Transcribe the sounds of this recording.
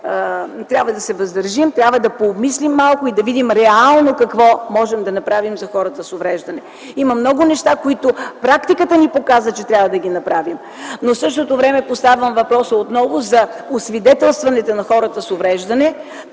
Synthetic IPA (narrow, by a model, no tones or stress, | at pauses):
t̪ɾʲjabvəd̪ɐsɛvɐzd̪ɐɾʒimt̪ɾʲabvəd̪ɐpomislimːalˠkʊid̪ɐvid̪imɾɛalˠnokɐkvɔmɔʒɛmd̪ɐnɐpɾavimzɐxɔɾət̪əsʊvɾɛʒd̪ɐnɛ | imɐmnɔɡʊnɛʃt̪akoit̪ʊpɾakt̪ikət̪ənipokazət͡ʃɛt̪ɾʲabvɐd̪ɐɡ̟inɐpɾavim | nofsɤʃt̪ot̪ovɾɛmɛpost̪avɐmvɐpɾɔsəot̪nɔvʊzɐosvid̪ɛt̪ɛlˠst̪vɐnɛt̪onɐxɔɾət̪əsʊvɾɛʒd̪ɐnɛ